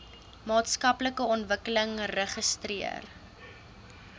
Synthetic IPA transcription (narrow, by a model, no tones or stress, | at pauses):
mɑːtskɐpləkəɔntvəkələŋrəχəstriə̰r